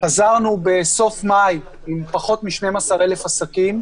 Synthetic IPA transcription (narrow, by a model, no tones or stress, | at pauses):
pazaʁnubeso̞fmaj | impaχo̞t̪miʃnemasaʁelefasakim